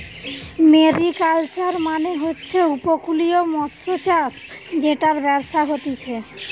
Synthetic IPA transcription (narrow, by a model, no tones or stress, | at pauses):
meɾikalt͡ɕaɾmaneɦotːɕʰeupokuliomɔt̪ɾot͡ɕasd͡ʑeʈaɾbɛbʃaɦot̪it͡ɕʰe